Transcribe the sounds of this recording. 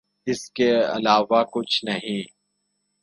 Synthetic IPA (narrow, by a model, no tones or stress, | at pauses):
ɪskeɐ̰laːʋakʊt͡ʃʰnɐɦĩː